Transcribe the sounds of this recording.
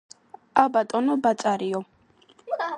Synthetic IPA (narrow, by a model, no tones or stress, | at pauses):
abat̪ʼɔnɔbat̪t͡s̪ʼaɾiɔ